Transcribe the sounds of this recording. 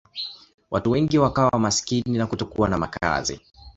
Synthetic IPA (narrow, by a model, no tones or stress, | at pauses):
wʔatuwɛŋɡiwakawawamasi̥kininakutɔkuanama̰ka̰zḭ